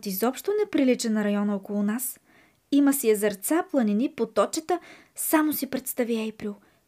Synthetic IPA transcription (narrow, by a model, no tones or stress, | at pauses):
t̪izɔpʃt̪onɛpɾilit͡ʃɛnɐɾɐjɔnəokolˠʊnas | iməsiɛzɐɾt̪saplˠɐninipot̪ɔt͡ʃət̪ə | samosipɾɛt̪st̪aviajpɾilˠ